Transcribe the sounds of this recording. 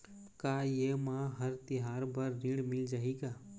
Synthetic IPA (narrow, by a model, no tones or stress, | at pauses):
kaːjeːmãːɦəɾt̪ɪɦaːɾbəɾniɽmɪld͡ʒaːɦiːɡaː